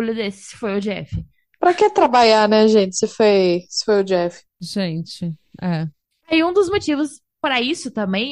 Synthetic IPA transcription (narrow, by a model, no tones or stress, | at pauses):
lʊd̪esɪ̥sɪ̥fojʊd͡ʒɛfɪ | pɾɐkẽt̪ɾabaʎanɛʒẽt͡ʃɪ̥sɪfojsɪ̥fojʊd͡ʒɛfɪ̥ʒẽt͡ʃɪɛ | aiũd̪ʊzmot͡ʃivʊs | pɾɐisʊt̪ɐ̃mbẽj̃